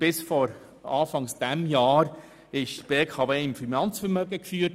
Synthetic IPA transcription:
b̥ɪsfɔɾ | ɑːfɑŋsd̥æmjɑːɾ | ɪʃtb̥eːkʰɑveːɪmfinɑnt͡sfəɾmøːɡəkfyːət

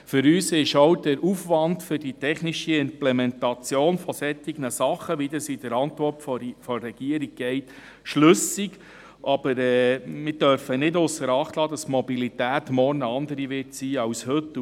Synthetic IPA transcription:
fʏɾyːsɪʃowd̥æɾufʋɑndfʏdit̪ʰɛχniʃiɪmplɛmɛntɑt͡sjoːnfɔsɛtiɡ̥nəsɑχəʋid̪əsid̥əɾɑnt̪vʋɔɾtffɔːɛɡ̥iəɾiɡ̚ɡ̥ɛɪt | ʃlɵsiɡ | ʔɑb̥əɾɛːmɪɾd̥œɾfənɪdʊsːəɾɑχt̪lɑːd̪ɑstmɔbilit̪æːt̪mɔrnəɑnd̪əɾiʋɪtsiːɑwshɵtː

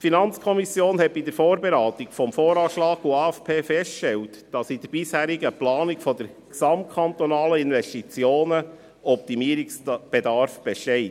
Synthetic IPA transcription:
tfinɑnt͡skʰɔmisjoːnhɛt̚bidəɾfoːɾbeɾɑːt̪ikfɔmfoːɾɑːʃlɑːkuɑːɛfpʰeːfɛstʃtɛltd̥ɑsid̥əɾb̥ɪshæːɾiɡəplɑːnikfɔd̪əɾ | ksɑmt̚kʰɑnt̪ɔnɑːləinvɛstit͡sjoːnə | ɔp̚t̪imiəɾiksb̥edɑɾfb̥ɛʃtɛɪt

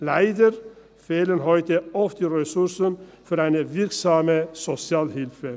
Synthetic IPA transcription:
læɪd̪əɾ | feːlənɦɔʏt̪əɔft̪iːɾɛsʉɾsənfɔɾæɪnəʋɪɾksɑːməsɔsɪɑːlhɪlfə

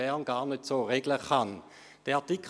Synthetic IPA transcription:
ɛɐnɡaːɐnøtsoːʁeːɡləχan | d̥ɛatikʰ

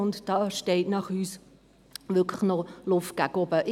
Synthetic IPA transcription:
ʊntd̥ɑːʃtɛɪtnɑχyːs | ʋʏkʰləχnɔlʊftɡ̥akɔbəʔ

